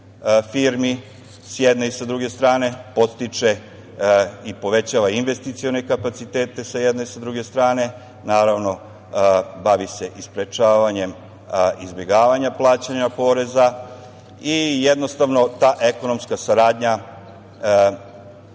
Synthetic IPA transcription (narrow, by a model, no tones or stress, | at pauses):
fiːɾmi | sjed̪neisad̪ɾuɡe̞st̪ɾaːne̞po̞t̪st̪it͡ʃe̞ | ipo̞ʋe̞t͡ɕaːʋainʋe̞st̪it̪sione̞kapat̪sit̪eːt̪e̞sajed̪neisad̪ɾuɡe̞st̪ɾaːne̞ | naːɾaʋno̞ | baʋise̞ʔispɾet͡ʃaːʋaɲe̞m | izbʲje̞ɡaːʋaɲaplˠaːt͡ɕaɲapo̞ɾe̞za | ijed̪no̞st̪aʋno̞t̪aːʔe̞ko̞nomskasaɾaːd̪ɲa